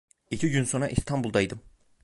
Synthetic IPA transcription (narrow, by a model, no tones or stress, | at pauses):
icʰiɟynso̞nɾa̰ʔist̪ʰambulˠd̪ajd̪ɯm